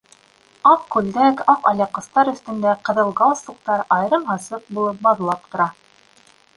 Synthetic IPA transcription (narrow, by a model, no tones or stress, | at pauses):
ɑp̚kʉld̪ækɑqɑ̰lʲɑqːɤ̆st̪ɑɾɵ̆θt̪ɵ̆nd̪æqɤ̆ðɤ̆lˠɡɑlˠsŭq̚t̪ɑɾɑjɾɤmɦɑsɤq̚bulˠɤp̚bɑðɤ̆lˠɑp̚t̪ŏɾɑ